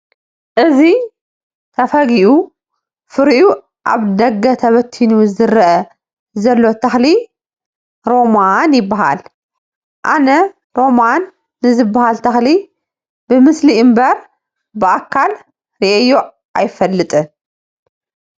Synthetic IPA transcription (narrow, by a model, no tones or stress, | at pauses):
ʔɨzi | t̪ʰɐfɐɡiʔu | fɨɾʔu | ʔa̰βd̪ɐɡːɐt̪ʰɐβɐt̪ʰːinuzɨɾʔɐ | zɐlːo̞t̪ʰɐxli | ɾo̞manjɪbːaɦa̰l | ʔanɐ | ɾo̞manː | ɨzɨbːahalt̪ʰɐxli | bɨmɨsliɨmbɐɾ | bɨʔakʰːal | ɾiʔejoʔ | ʔajfɐlːɨt̪ʼɨn